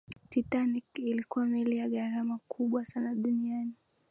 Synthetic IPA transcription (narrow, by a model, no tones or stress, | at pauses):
titanikilikuwamɛlijaɠaɾamakʰuɓwasanaɗuniani